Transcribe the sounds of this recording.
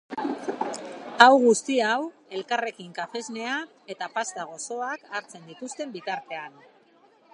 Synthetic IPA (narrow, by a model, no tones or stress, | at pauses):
awɣust̪iawe̞lkare̞kiŋkafe̞zne̞a | e̞t̪apast̪aɣ̞o̞so̞akaɾt͡se̞nd̪it̪ust̪e̞mbit̪aɾt̪e̞an